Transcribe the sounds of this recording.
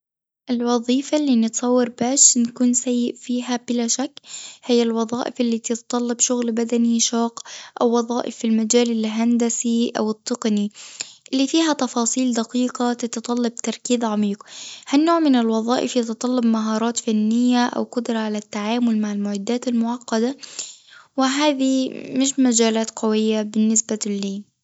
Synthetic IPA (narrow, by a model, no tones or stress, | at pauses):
ʔɪlwɑðˤiːfalːiːnɪt̪sˤɑwːɪɾˤbaːʃnkuːnsajːɪʔfiːɦab̥ɪlaʃakːhɪjːalwɑðˤɑːʔɪfɪlːiːt̪ɪt̪t̪ˤɑlːɑbʃʊɣlbad̪aniʃɑːqʔawːɑðˤɑːʔɪ̰fːilmad͡ʒaːlɪlɦand̪asiʔa̰wɨt̪ˤːɨqniʔɪlːiːfiːɦat̪ɑfɑːsˤiːld̪aqiːqat̪ɪt̪ɑt̪ˤɑlːɑb̚t̪ɑɾˤkiːðʕamiːqhanːoːʕmɪnɪlwɑðˤɑ̰ːʔɪfjɑt̪t̪ˤɑlːɑbmaɦɑːɾˤɑːt̪fanːɪjːaʔa̰wqʊd̪ɾˤɑʕalat̪ːaʕaːmʊlmaʕɪlmʊʕɪd̪ːaːt̪almʊʕɑqːɑd̪a | wɪɦaːðimɪʃmad͡ʒaːlaːt̪qɑwɪjːabɪnːɪsbalːiː